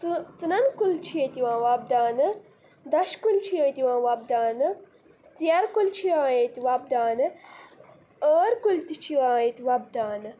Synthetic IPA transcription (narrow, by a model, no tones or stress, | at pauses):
t͡sɨnɐnkult͡ʃʰijet̪iwãːʋɐb̚d̪aːnɨ | d̪ɐʃkult͡ʃʰijəːt̪iwãːʋɐb̚d̪aːnɨ | sijɐɾkult͡ʃʰiwãːjet̪ʲiʋɐb̚d̪aːnɨ | əːɾkult̪it͡ʃʰiwãːjet̪ʲiʋɐb̚d̪aːnɨ